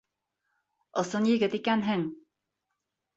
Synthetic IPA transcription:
ŏsonjɘ̆ɡɘt̪ikænɦɘŋ

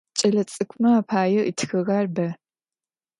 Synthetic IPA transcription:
t͡ʃʼɐɮɐt͡sʼɨkʷʰʼmɐaːpʰaːjɐʔitʰxɨɣɐrbɐ

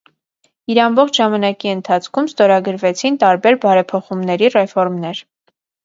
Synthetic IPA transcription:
iɾɑmbɔχt͡ʃʰʒɑmɑnɑkiənt̪ʰɑt͡sʰkʰumst̪ɔɾɑɡəɾvɛt͡sʰint̪ɑɾbɛɾbɑɾɛpʰɔχumnɛɾirɛfɔɾmnɛɾ

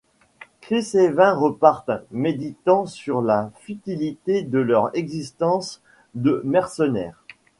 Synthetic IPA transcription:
kχisevɛ̃ʁəpaʁt̪med̪it̪ɑ̃syʁlafyt̪ilit̪ed̪əlœʁɛɡzist̪ɑ̃s | d̪əmɛʁsənɛ̰ːʁ

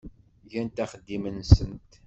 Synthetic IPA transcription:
ʝænt̪æχəd̪ːimənsənt̪

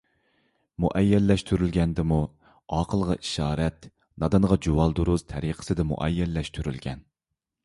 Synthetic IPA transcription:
muʔɛjːɛlːɛʃt̪ʰyɾylɡʲɛnd̪ɪmu | ɑːqʰəlˠʁɑʔi̥ʃɑːɾɛt̪ | nɑd̪ɑɴʁɑd͡ʒowɑlˠd̪uɾuz̥t̪ʰɛɾiqʰə̥sɨd̪ɛmṵʔɛjːɛlːɛʃt̪ʰyɾylɡʲɛ̰n

